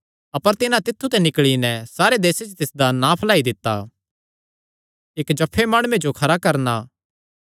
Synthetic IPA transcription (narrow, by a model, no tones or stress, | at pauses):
ɐpəɾt̪ɪnãt̪ɪt̪ʰːut̪ɛnɪkɭinɛsaːɾed̪eːset͡ʃt̪ɪsd̪anapʰɐlaːid̪ɪt̪ːa | ɪkd͡ʒɐpʰːemaːɽ̃ued͡ʒokʰɐɾakɐɾnaː